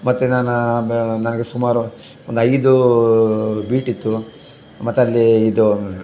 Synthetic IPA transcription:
mɐt̪ːenaːnunɐnɐɡesumaːɾu | ond̪ɐjd̪u | biːʈit̪ːu | mɐt̪ːeɐlːiːd̪u

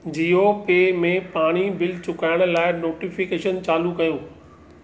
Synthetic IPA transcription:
d͡ʑiːɦopeːmẽpaːɽ̃ibɪlt͡ɕʊkaːɪɽ̃laːɪnoːʈifɪkeːʃənt͡ɕaːlukɐjũː

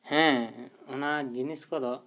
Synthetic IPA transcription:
hɛ̃ɔnad͡ʒiniskɔd̪ɔ

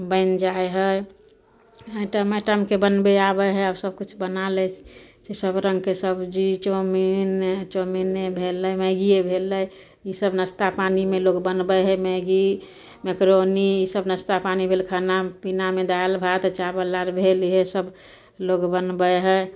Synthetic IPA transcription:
bəɪnd͡ʒaeɦə | ə̃ʈəmeʈəmkebənbeabəɦəabsəb̚kut͡ʃʰbənalɛt͡ʃesəbɾə̃ŋɡkesəbd͡ʒit͡ʃomint͡ʃominebʱeləmeɡiebʱeləj | isəbnəst̪apanimelokbənbəɦəmeɡi | mekɾoniisəbnəst̪apanibʱelkʰənapinamed̪ajəlbʱat̪t͡ʃabəlːaɾbʱeliɦesəb | lokbənbəjɦə

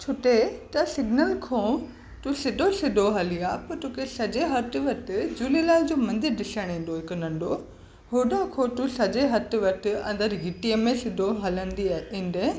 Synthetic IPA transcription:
t͡ɕʰʊʈet̪ɐsɪɡnəlkʰõ | t̪ũsɪɗʱosɪdʱoɦɐliaːpɐɾt̪uːkesɐd͡ʑeɦɐt̪ʋɐʈʰɪd͡ʑuːlilaːd͡ʑoːmɐ̃nd̪ɪɾɖɪsəɽ̃ẽːn̆d̪oɦɪknɐ̃ɳɖo | ɦoːɖakʰõːt̪ũsɐd͡ʑeɦɐt̪̆ʋɐʈʰɪ̆ɐ̰̃nd̪əɾɡɪʈiəmẽsɪdʱoɦɐlə̃nd̪iaĩnd̪ẽ

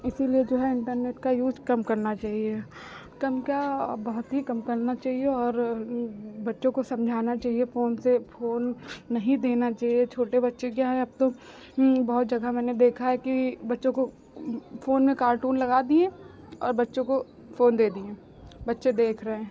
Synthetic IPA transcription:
ɪsilied͡ʒoːɦɛɪ̃ɳʈəɾneːʈkajuːd͡ʒkɐmkɐɾnat͡ʃaːɦie | kɐmkabɐɦʊt̪ɦikɐmkɐɾnat͡ʃaːɦieɔːɾ | bɐtːʃõkosɐ̃md͡ʒʱaːnat͡ʃaːɦiefoːnsefoːnːɐɦĩd̪eːnat͡ʃaːɦiet͡ʃʰoːʈebɐtːʃekjaːɦɛ̃ɐb̚t̪õ | bɐɦʊt̪̚d͡ʒɐɡamɛːned̪eːkʰaɦɛkibɐtːʃõko | foːnmẽkaːɾʈuːnlɐɡaːd̪iẽ | ɔ̰ːɾbɐtːʃõko | foːnd̪eːd̪iẽː | bɐtːʃed̪eːkʰɾɐɦẽː

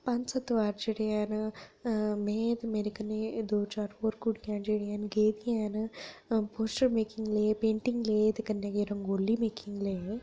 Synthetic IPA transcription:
pãɲt͡ʃsɐt̪ʋaːɾd͡ʒeɽejaːn | meːt̪meːɾikəned̪oːt͡ʃaːɾfoːɾkuɽijaːnd͡ʒeːɽijaːnɡeːd̪ijaːn | poːsʈəɾmeːkiŋɡleːpẽːɳʈiŋɡleːt̪kɐnːjaɡeːɾɐ̃ŋɡoːlːimeːkiŋɡleː

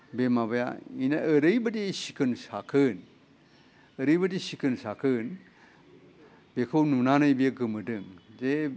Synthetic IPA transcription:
bemaβaja̰inaəɾɯjbɯdisikʰɯnsakʰɯn | əɾɯjbɯdisikɯnsakʰɯn | bekʰɯwnunanajbijeɡɯmɯdɯŋze

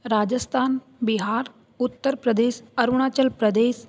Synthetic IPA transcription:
ɾad͡ʑəst̪ʰaːn | biɦaɾ | ut̪ːəɾpɾəd̪eɕəɾuɳ̃at͡ɕəlpɾəd̪es

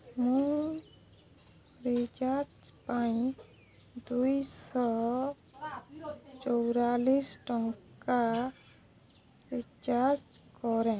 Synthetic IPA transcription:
mũ | ɾid͡ʒat͡ʃpaĩ | d̪uisɔ | t͡ʃɔwɾalisʈɔŋkka | ɾit͡ʃat͡ʃkɔɾɛ̃

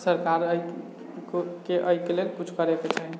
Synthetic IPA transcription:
səɾkaɾəi | kokeʔəikelelkut͡ʃʰkəɾeket͡ʃaɦi

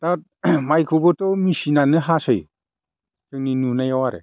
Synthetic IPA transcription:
tat̚majkʰubɔtɔmisinanɯɦasɯj | kʰɯŋninunajɔwaɾḛ

